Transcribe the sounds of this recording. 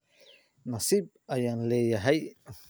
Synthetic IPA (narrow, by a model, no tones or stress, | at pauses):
nasip̚ajanlejaɦaj